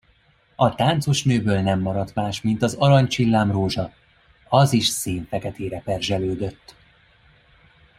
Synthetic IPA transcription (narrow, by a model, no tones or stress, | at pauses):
ɒt̪aːnt̪so̞ʃnøːbøːlnɛmːɒɾɒt̪maːʃmint̪ɒzɒɾɒɲt͡ʃilːaːmroːʒɒ | ɒziʃseːɱfɛkɛt̪eːɾɛpɛrʒɛløːd̪øt̪ː